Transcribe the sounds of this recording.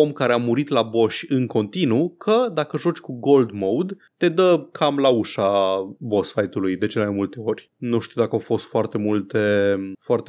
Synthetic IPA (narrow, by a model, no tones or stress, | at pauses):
omkaɾe̞amuɾit̪labo̞ʃʲɨŋko̞nt̪inukʰəd̪akəʒo̞t͡ʃʲkuɡo̞ld̪mowd̪ | t̪e̞d̪əkʰamlauʃabo̞sfajt̪ulujd̪e̞t͡ʃelmajmult̪e̞o̞rʲ | nuʃt̪iuwd̪akəawfo̞st̪foart̪e̞mult̪efoart̪e